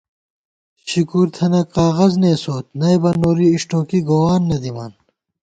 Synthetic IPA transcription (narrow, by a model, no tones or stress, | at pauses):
ɕikuːɾt̪ʰɐnɐkqaːɣɐzneːsoːt̪̚nɐjbɐnoːɾiːʂʈoːkiɡoːwaːnːɐd̪ima̰ːn